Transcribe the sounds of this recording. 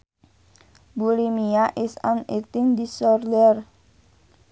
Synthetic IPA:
bulimiaʔisa̰net̪ɪŋd̪isɔrd̪ɛr

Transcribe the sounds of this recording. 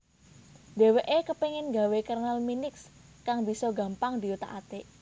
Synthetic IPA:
d̪̥e̤weʔekəpeŋɪnɡa̤wekarnalminɪks | kaŋbisɔɡä̤mpaŋd̪iut̪a̰ʔat̪e

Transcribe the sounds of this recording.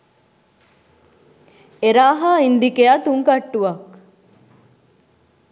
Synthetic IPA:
eɾaːɦaːind̪ikeat̪uŋkɐʈːuʋɐk

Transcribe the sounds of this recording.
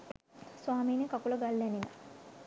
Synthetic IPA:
swaːmiːnekakuləɡalːænina̰

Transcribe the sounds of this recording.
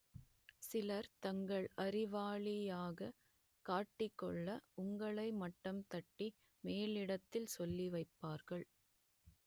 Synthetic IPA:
sɪlɐɾt̪ɐŋɡɐɭɐɾɪʋaːɭɪjaːɣɐ | kaːʈːɪkːɔɭːɐʔʊŋɡɐɭɐɪmɐʈːɐmt̪ɐʈːi | meːlɪɽɐt̪ːɪlsɔlːiʋɐɪpːaːɾɣɐɭ

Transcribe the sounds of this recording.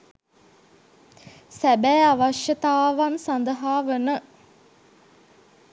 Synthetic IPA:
sæbæːaʋaʃjət̪aːʋansand̪əɦaːʋənə

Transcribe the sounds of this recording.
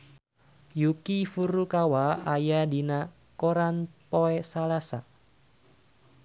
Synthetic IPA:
jukifuɾukawaajadina | koɾanpɔɛsalasa

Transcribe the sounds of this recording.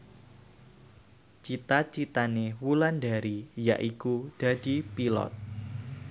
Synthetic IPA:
t͡ʃit̪at͡ʃit̪anewulandaɾija̰ʔikud̥a̤d̥i̤pilɔ̰t̪̚

